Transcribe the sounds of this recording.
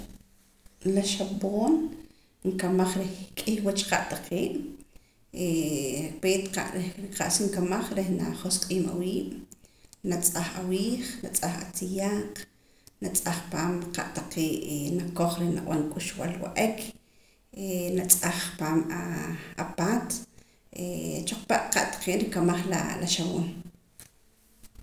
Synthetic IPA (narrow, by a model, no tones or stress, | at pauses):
laʃaɓoːn | ŋkamaχɾekʼihwat͡ʃqaʔt̪aqʰeːʔ | epeːt̪qaʔɾeɾiqaʔsiŋkamaχɾehna̰χosqʼiːma̰wiːʔ | nat͡sʼaχawiːχnat͡sʼaχa̰t͡sijaːq | nat͡sʼaχpaːmqa̰ʔt̪aqeːʔenakoχɾehna̰w̰ʔankʼuʃwalwa̰ʔekʰ | enat͡sʼaχpaːmaapaːt̪ | et͡ʃoq͡χpaʔqaʔt̪ḁqeːʔɾikamaχla̰la̰ʃawoːn